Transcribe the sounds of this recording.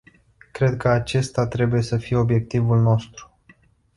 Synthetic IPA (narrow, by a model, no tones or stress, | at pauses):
kɾe̞d̪̚kəat͡ʃe̞st̪at̪ɾe̞buje̞səfije̞o̞bje̞k̚t̪ivulno̞st̪ɾu̥